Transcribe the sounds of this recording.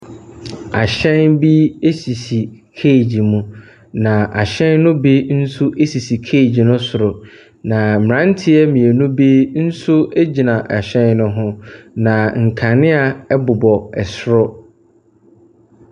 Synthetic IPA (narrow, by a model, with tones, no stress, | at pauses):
a˨ɕɛ̃˦nbi˦e˦si˨si˨kʰe˦˨d͡ʑi˨mũ˦ | nã˨ʔa˨ɕɛ̃˦nː˦ʊ̃˦be˦n̩˦su˦ʔe˦si˨si˨kʰeː˦˨d͡ʑi˨nʊ̃˦sʊ˨ɾʊ˨ | nã˨mɪ̃˨ã˦n˦tʰɪ˦ɛ˦mĩ˨e˨nũ˦be˦n̩˦sʊ˦e˦d͡ʑi˨nã˨ʔa˨ɕɛ̃˦nnʊ̃˦ɦʊ̃˦nã˨ŋ̩˨kʰã˨nɪ̃˦a˨ɛ˦bʊ˨bɔ˨ɛ˨sɾɔ˦